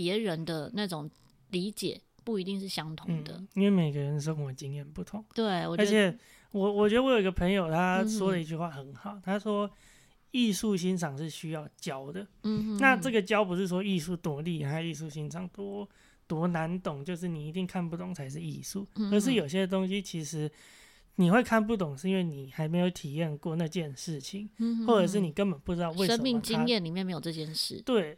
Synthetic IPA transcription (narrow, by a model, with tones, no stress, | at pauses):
pjɛ˨˧˥ɻə˧˦nd̪ə˧na˥˩ʈ͡ʂʊ˨˩ŋ | li˧˥t͡ɕjɛ˨˩˦ | pu˥˩i˧˥t̪i˥˧ŋʂɻ̩˥˩ɕjɑ˥ŋt̪ʰʊ˧˥ŋ̩˥d̪ə̰˧i˥nwe˥˩ɪme˨˩ɪɡə˧˦ɻə˧˦nə˧ʂ̬kɔ˨˩ə˧˨˩t͡ɕi˧˥ŋjɛ˨˩npu˥˩t̪ʰʊ˧˦ŋt̪we˥˩ɪwɔ˨˩ə˞˧˥˧t͡ɕʰɛ˨˩˦ | wɔ˨˩wɔ˨˩t͡ɕɥɛ˧˥ə˧wjo˨˩i˦ɡə˧pʰə˧˥ŋjo˨˩ʊt̪ʰa˦˥ʂwɔ˥də˨˧i˧t͡ɕy˥˧xwa˥˩xə˨˩nxɑ˨˩˦ʊt̪ʰa˥ʂwɔ˥ | i˥˧su˥˧ɕi˥nʂʰɑ˨˩ŋʂɻ̩˥˩ɕy˥jɑ˥˩ʊt͡ɕjɑ˦˥ʊd̪ə˨˥na˥˧˨ʈ͡ʂɤ˥˩ɡə˩t͡ɕjɑ˥ʊpu˧˥ʂɻ̩˥˩ʂwɔ˥i˥˧su˥˩t̪wɔ˧˥li˥˩a˧˥i˥˧su˥˩ɕi˦˥nʂʰɑ˨˩ŋt̪wɔ˦ | t̪wɔ˧˥na˧˥nt̪ʊ˨˩ŋt͡ɕjo˥˧ʊʂ̬ɻ̩˥˩ni˨˩i˧˦t̪i˥˧ŋkʰa˥˧npu˥˩t̪ʊ˨˩ŋt͡sʰa˧˥ɪʂ̬ɻ̩˥˧i˥˧su˥˩ə˧˦˥ʂɻ̩˥˩jo˨˩ʊɕjɛ˦˥d̪ə˨˧t̪o˥ŋɕi˥t͡ɕʰi˧˥ʂɻ̩˧˦ | ni˨˩xwe˥˧ɪkʰa˥˧np̬u˥˩t̪ʊ˨˩ŋʂ̩˥˧i˦nwe˥˩ni˨˩xa˧˥ɪme˧˥ɪjo˧˥ʊt̪ʰi˨˩jɛ˥˧nkwɔ˥˧na˥˧t͡ɕjɛ˥˧nʂɻ̩˥˩t͡ɕʰi˨˩ŋxwɔ˥˩ɤ˨˩ʂ̬ɻ̩˥˩ni˨˩kə˦˥npə˨˩npu˥˩ʈ͡ʂɻ̩˥t̪ɑ˥˧ʊwe˥˩ɪə˦n˨mi˥˨ŋt͡ɕi˥ŋjɛ˥˨nli˨mjɛ˥˨nme˧˥ɪjo˨˩ʈ͡ʂt͡ɕjɛ˥˧nʂɻ̩˥˩t̪we˥˩ɪ